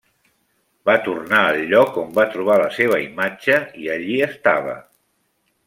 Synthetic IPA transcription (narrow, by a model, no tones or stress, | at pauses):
bat̪urnaəlˠʎːɔkombat̪ɾuβ̞aləseβ̞əimad͡ʒəiəʎiəst̪aβ̞ə̰